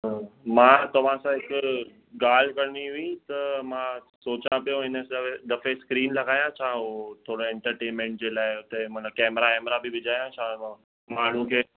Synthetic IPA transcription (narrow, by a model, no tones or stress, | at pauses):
mãːt̪ɐʋ̤ãsãɦɪkʊ | ɡaːl̤kɐɾñiɦʊĩt̪ɐmã | soːt͡ɕãpijõɪnəsed̪ɐfeskɾiːnlɐɡaːjãt͡ɕʰaːɦot̪ʰoːɽoɛ̃ɳʈəɾʈeːnmẽːɳʈ̚d͡ʑeːlaːɪɦʊt̪emɐt̪əbkɛːmɾakɛːmɾabɪʋɪd͡ʑʱaːjãt͡ɕʰãː | mãːɳ̤ũkʰeː